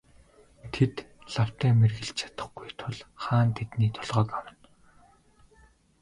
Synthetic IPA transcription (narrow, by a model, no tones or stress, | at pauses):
t̪ʰet̪ɮ̥aw̥t̪æːmerɣɘ̆ɬt͡ɕʰḁt̪ə̥̆χɡujt̪ʰʊɮχaːnt̪ʰet̪niːt̪ʰʊɮʁœːkawə̆n